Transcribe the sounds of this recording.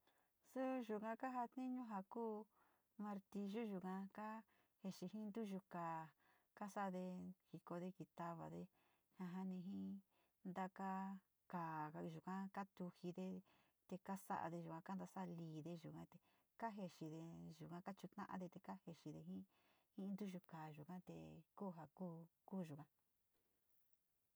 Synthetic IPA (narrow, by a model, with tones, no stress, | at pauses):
su˦ʒu˨kã˧ka˦ɦa˧t̪nĩ˦ɲũ˦ɦa˧kuː˦ | mã˧ɾt̪i˧ʒu˦ʒu˨kã˧ka˦ | he˧ʃi˧hĩ˦nd̪u˦ʒu˧ka˨ | ka˦sa˦˧ðe˧hi˧ko˧ðe˧ki˧t̪a˧βa̰˨ðe˧ | hã˧ɦa˦nĩ˧ɦĩ˦ | nd̪a˧ka˦ | kaː˨ka˧ʒu˨kã˦ka˦t̪u˧hi˧ðe˧ | t̪e˧ka˦sa̰˦ʔa̰˧ðe˧ʒu˨kʷã˧ka˦nd̪a˧sa˦˧liː˧˨ðe˧ʒu˨kã˦t̪e˧ | ka˦ɦe˧ʃi˧ðe˧ʒu˨kã˧˦ka˦t͡ʃu˧t̪nã̰˦ʔã̰˧ðe˧t̪e˧ka˦he˧ʃi˧ðe˧ɦĩ˦ | hĩ˦˧nd̪u˦ʒu˧kaː˨ʒu˨kã˦t̪ḛ˧kuː˦˧ɦa˧kuː˦kuː˦˧ʒu˨kã˧˦